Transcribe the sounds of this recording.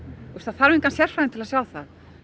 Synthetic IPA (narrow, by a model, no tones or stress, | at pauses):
ust̪θafaːɾvɪ̃ŋkansjɛr̥fɾaɪnt̪ɪlasjawθa̰ð